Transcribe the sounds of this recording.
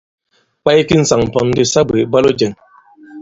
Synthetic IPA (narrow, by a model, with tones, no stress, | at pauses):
k͡pa˦jki˦n̩˨sa˨ŋm˨pɔ˨n˦di˦sa˦be˨ba˦lo˦d͡ʒɛ˨ŋ